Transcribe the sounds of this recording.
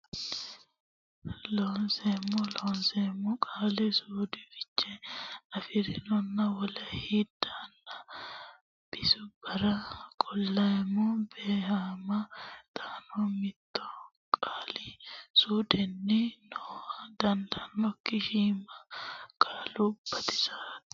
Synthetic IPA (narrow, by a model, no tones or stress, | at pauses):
loːnsemːɔlɔːnsɛmːɔkʼaːlɪsuːd̪ɪfɪ̥t͡ʃːɛnɐfɪɾɪnɔnːɐwɔlɐhid̪aːnːɐ | b̥ɪsʊbɐɾɐkʼɔlːɐɛmːɔbeːhaːmɐt̪aːnɔmɪt̪ːɔ | kʼaːlɪsuːd̪ɛnːɪnɔɐd̪ɐnd̪ɐnːɔkːɪʃiːmɐkʼaːlʊb̥ːɐt̪ɪ̥saːt̪